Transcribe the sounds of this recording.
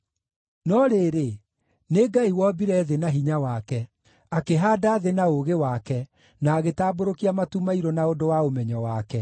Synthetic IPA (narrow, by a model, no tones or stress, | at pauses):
nɔɾeːɾe | neɡaiwɔbiɾɛðenaɦiɲawakɛ | akeɦaːdaːðenaoɣewakɛ | naːɣetaːboɾokiamatumaiɾɔnaodowaomɛɲɔwakɛ